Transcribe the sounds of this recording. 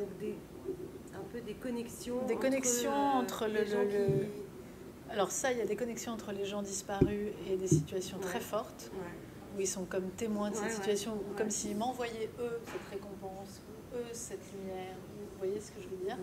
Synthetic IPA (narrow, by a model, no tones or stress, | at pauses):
d̪ɔ̃kd̪e | ɛ̃pød̪ekɔnɛksjɔ̃d̪ekɔnɛksjɔ̃ɑ̃t̪χələllə | alɔʁsailjad̪ekɔnɛksjɔ̃ɑ̃t̪χəleʒɑ̃d̪ispaʁyed̪esit̪ɥasjɔ̃t̪χɛfɔʁt̪ | uɛlsɔ̃kɔmt̪emwɛ̃d̪əsɛt̪siɥasjɔ̃ukɔmsimɑ̃vwajɛøsɛt̪ʁekɔ̃pɑ̃s | u | øsɛt̪lymjɛːʁũvwajesə̥kəʒəvəd̪iːʁ